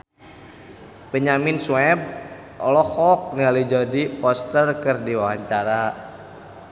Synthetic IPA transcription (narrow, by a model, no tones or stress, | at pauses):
pəɲamɪnswɛb̚ | ʔɔlɔhɔk̚nialud͡ʒadipɔst̪ərkərdiwawaɲt͡ʃaɾa